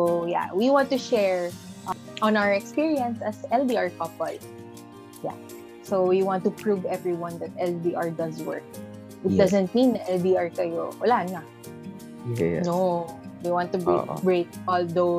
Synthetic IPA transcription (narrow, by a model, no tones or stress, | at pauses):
oja̰wiwãnt̪ʊʃɛɹʔ | ʔɔ̃nawəɹɛkspiɹiɐ̃nsɐsɛldiaɹkɔpɔl | ja̰ | sowiwãnt̪ʊpɹuvɛvɹiwɐ̃nd̪ɐt̪̚ʔɛld̪iʔaɹd̪ɐswɜ̰ɹk̚ | ʔɪt̪̚d̪azɛ̃nt̪̚mĩnːɐʔɛlbiaɹkɐjowɐlana | nodewãnt̪ubeʔbɹet̪̚ʔɔld̪o